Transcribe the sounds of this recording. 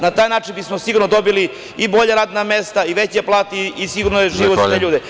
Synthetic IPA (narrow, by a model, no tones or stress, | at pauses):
nat̪aːjnaːt͡ʃinbismosiɡuɾnod̪o̞bili | ibo̞ʎaɾaːd̪namest̪aiʋet͡ɕeplˠaːt̪iisiɡuɾnojeʒiːʋoaeʎuːd̪e